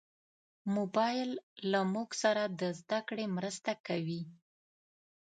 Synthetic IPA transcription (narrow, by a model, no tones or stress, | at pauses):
mobɑjlːamuɡsaɾad̪əzd̪akɽemɾəst̪akawi